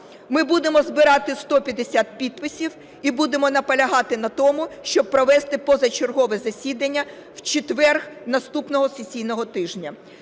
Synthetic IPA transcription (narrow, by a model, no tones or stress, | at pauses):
mɪbud̪emɔzbɪɾɑt̪ɪst̪ɔpʲjɐd̪esʲat̪̚pʲid̪̚pɪsʲiw | ibud̪emɔnɐpɐlʲɐɦɑt̪ɪnɐt̪ɔmʊʃt͡ʃɔb̚pɾɔʋɛst̪ɪpɔzɐt͡ʃerɦɔʋɛzɐsʲid̪ɐnʲːɐ | wt͡ʃet̪ʋɛrxnɐst̪upnɔɦɔsesʲijnɔɦɔt̪ɪʒnʲɐ